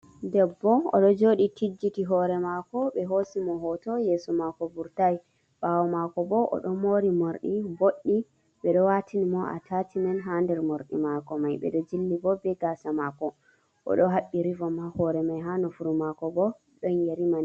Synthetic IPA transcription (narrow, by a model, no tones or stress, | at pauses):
dɛbːɔɔ̰ɗɔd͡ʒoɗitid͡ʒːitiɦɔɾɛmakɔɓɛɦosimɔɦɔtɔjesumakɔbuɾtaj | bawɔmakɔbɔʔɔ̰ɗɔmoɾimoɾɗiboɗːi | ɓɛɗɔwatʰinimɔa̰tatimɛnɦandɛɾmoɾɗḭmakɔmajɓɛ̰ɗɔd͡ʒilːibɔbɛɡasamakɔ | ʔɔ̰ɗɔɦaɓːiɾivɔmahɔɾɛmajɦanɔfuɾumakɔbɔ | ɗɔnjeɾiman